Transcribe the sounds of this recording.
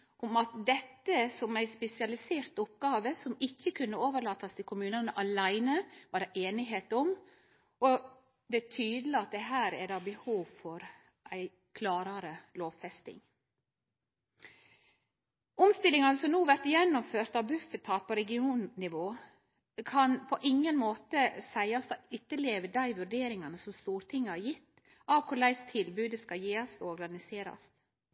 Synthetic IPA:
ʊmɑt̪d̪ɛt̪ːəsɔmæɪspɛsɪɑlɪseːɾt̪ʊp̚ɡɑːʋəsɔmɪçːəkʰʉnːəoːʋəɭɑːt̪ɑst̪ʰɪlkʰʊmʉːnənəʔɑlæɪnəʋɑdɛʔeːnɪɦeːt̪ɔm | ɔ | d̪ɛt̪ʰyːd̪lɪɑt̪̚d̪ɛɦæːɾæ̰dɑːbəhuːʋfɔɾ | ʔæɪ | kʰlɑːɾɑɾəloːʋfɛst̪ɪ̰ŋ | ʔʊmst̪ɪlːɪŋɑnəsɔmnuːʋæɾt̪jɛnːʊmføːɾt̪ɑʋbʉfət̪ʰɑːt̪̚pʰɔɾɛɡɪuːnnɪʋoː | kʰɑnpʰɔʔɪŋːənmoːt̪əsæɪɑsd̪ɑʏt̪ːəɭeːʋəd̪æɪʋʉɾɖeːɾɪŋɑnəsɔmst̪uːɾt̪ʰɪŋːəhɑɾjɪt̪ː | ɑʋkʰʊɭæɪst̪ʰɪlbʉːd̪əskɑljeːɑsɔɾɡɑnɪseːɾɑ̰st̪

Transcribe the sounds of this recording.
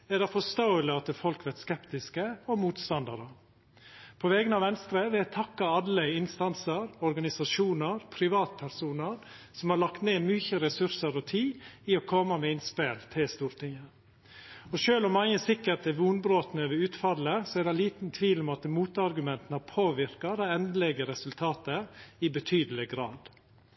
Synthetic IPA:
ɛɖɛfɔst̪oʊəlɪɑt̪əfɔlkʋɛt̪skɛpt̪ɪskəɔmuːt̪st̪ɑnd̪ɑɾə | pʰɔʋɛɡənɑʋɛnst̪ɾəʋɛæt̪ʰɑkːɑɑlːəɪnst̪ɑnsəɾɔɾɡɑnɪsɑʂuːnəɾpʰɾɪʋɑːt̪pʰæɾsuːnəɾsɔmhɑɾɭɑkt̪neːmyːçəɾɛsʉɾsəɾɔt̪ʰiːɪɔkʰɔmːɑmɛɪnspeːlt̪ʰɪlst̪uːɾt̪ɪŋːə | ɔʃøːlɔmːɑŋːəsɪkːəʈɛʋuːnbɾoːt̪nəøʋəʉːt̪fɑlːəsɔɛɾd̪ɛɪliːt̪n̩t̪ʰʋiːlɔmɑt̪muːt̪ɑɾɡʉmɛnt̪ən̩ɑpʰoːʋɪɾkɑd̪æɪɛnd̪əlɛɡəɾɛsʉlt̪ʰɑːt̪əɪbət̪ʰyːd̪əlɪɡɾɑ̰ːd̪

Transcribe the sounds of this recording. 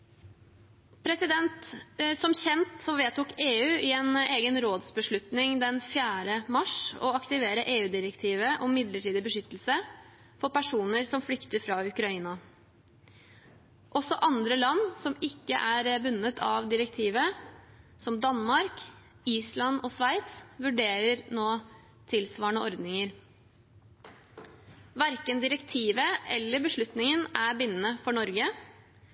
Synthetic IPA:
pʰɾɛsɪd̪ɛnt̪sɔmçɛnt̪sɔmʋeːt̪uːkeːʉːʔɪɛneːɡənɾoːd̪sbəʂɭʉt̪nɪŋd̪ɛnfjæːɾəmɑʂɔ̰ɑkt̪ɪʋeːɾəʔeːʉːd̪ɪɾəkt̪ʰiːʋəʔɔmːɪd̪ləʈiːd̪ɪbəʂʏt̪ːlsə | fɔɾpæʂuːnəɾsɔmflʏkt̪əɾfɾɑːʉkɾɑiːnɑ | ʔɔsːɔʔɑnd̪ɾəlɑnːsɔmɪkːə̰ʔæɾəbʉnːət̪ʰɑʋd̪ɪɾəkt̪ʰiːʋə | sɔmd̪ɑnmɑɾk | iːslɑnɔːsʋæɪt̪sʋʉɖeːɾəɾnoː | t̪ʰɪlsʋɑːɳəʔɔɾd̪nɪŋəɾ | ʋæɾkənd̪ɪɾəkt̪ʰiːʋəʔɛlːəbəʂɭʉt̪nɪŋənæɾbɪnːənəfɔɳɔɾɡə

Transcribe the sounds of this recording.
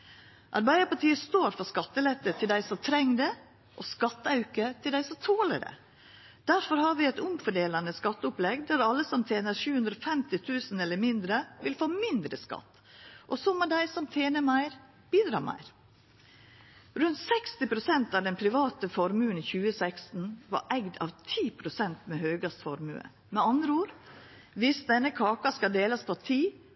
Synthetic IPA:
ʔɑɾbæɪd̪əpɑʈiːəst̪oːɾfɔskɑt̪ːəlɛt̪ːət̪ʰɪld̪æɪsɔt̪ʰɾɛŋd̪ə | ʔɔskɑt̪ːəɑʉkət̪ʰɪld̪æɪsɔt̪ʰoːləɾə̰ | d̪̥æɾfɔɾhɑːɾʋɪɛɪt̪ʊmfɔɖeːlɑnəskɑt̪ːəʊplɛɡd̪æɾɑlːəsɔmt̪ʰeːnəɾʃʉːhʉnd̪ɾɔːfɛmt̪ɪt̪ʰʉːsn̩ɛlːəɾmɪnd̪ɾəʋɪlfoːmɪnd̪ɾəskɑ̰t̪ː | ʔɔsɔmːɛd̪æɪsɔmt̪ʰeːnəmæɪɾ | b̥iːd̪ɾɑ̰ːmæ̰ɪɾ | ɾʉnt̪sɛkst̪ɪpʰɾʊsɛnt̪ɑʋd̪ɛnpʰɾɪʋɑːt̪əfɔɾmʉːənçʉːəsæɪkst̪n̩ʋɑ̰ɾʔɛɡd̪ɑ̰ʋt̪ʰiːpʰɾʊsɛnt̪mehøːɡɑst̪fɔɾmʉ̰ːə̰ | mɛɑnd̪ɾəuːɾ | ʋɪsd̪ɛnːəkʰɑːkɑskɑd̪eːlɑspʰɔt̪ʰiː

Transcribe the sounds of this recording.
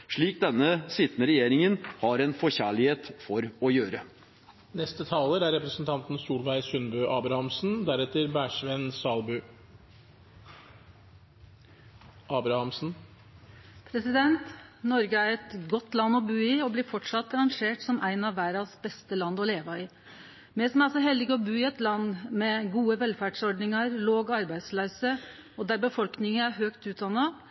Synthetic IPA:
ʂɭiːk̚d̪ɛnːəsɪt̪nəɾɛjeːɾɪŋənhɑɾɛnfɔçæːɭɪheːt̪fɔɾɔjøːɾə | nɛst̪ət̪ʰɑːləɾæɾɛpɾəsn̩t̪ʰɑnt̪n̩suːlʋæɪsʉnbʉːʔɑːbɾɑhɑmsn̩d̪æɾɛt̪ːəɾbæːʂʋɛnsɑːlbʉː | ʔɑːbɾɑhɑmsn̩ | pʰɾɛsɪd̪ɛnt̪nɔɾɡəæɾɛt̪ɡɔt̪ːlɑnːɔbʉːɪɔbliːfɔʈʂɑt̪ːɑɾɑŋʂeːʈsɔmʔæɪnɑʋʋæːɾɑsbɛst̪əlɑnd̪ɔleːʋɑɪ | mɛsmæɑlsɔɦɛld̪ɪɡɔbʉːɪɛt̪lɑnmɛɡuːəʋɛlfæɖsɔɾɖɳɪŋəɾloːɡɑɾbæɪd̪slœʏsə | ɔd̪æɾbəfɔlknɪŋəæɾɦøːkt̪ʉːt̪̚d̪ɑnːɑ

